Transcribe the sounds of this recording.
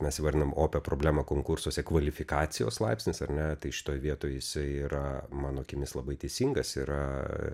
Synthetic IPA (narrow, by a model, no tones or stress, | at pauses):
mʲɛsʲʋɐɾd̪ʲɪnɐomoːpʲɛpɾoːblʲæːmɐkoːŋkʊɾsuɔsʲɛkʋɐlʲɪfʲɪkɑːt̪sʲɪjo̰ːslˠɐɪpsʲnʲɪsɐɾʲnʲɛt̪ɐɪʃʲɪ̥t̪oːjʋʲiɛt̪oːjjɪsɐɪiːɾɐmɑːnoːkʲɪmʲɪslˠɐbɐɪt̪ʲɛɪsʲiːŋɡɐsiɾɐ